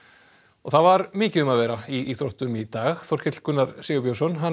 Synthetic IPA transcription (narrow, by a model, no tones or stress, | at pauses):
ɔθaðvaɾmɪːcɪðʏmaðvɛːɾaiθɾoht̪ʏmit̪aːɣθɔr̥cɪt̪l̥kʏnːaɾ̥seːɣʏpjowsɔnɦa